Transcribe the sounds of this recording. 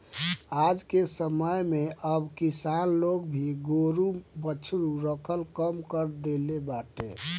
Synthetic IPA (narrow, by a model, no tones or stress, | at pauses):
ad͡ʒkesəməjmeʔəbkisanloɡbʱiɡoɾubət͡ʃʰɾuɾəkʰəlkəmkəɾd̪elebaʈḛ